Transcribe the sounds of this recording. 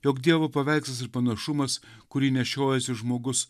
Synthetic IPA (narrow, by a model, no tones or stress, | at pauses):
joːkd̪ʲiɛʋopɐʋʲɛˑɪksɐs̬ɪɾpɐnɐʃʊmɐs | kʊɾʲiːnʲɛʃʲoːjɛsʲɪʒmoːɡʊs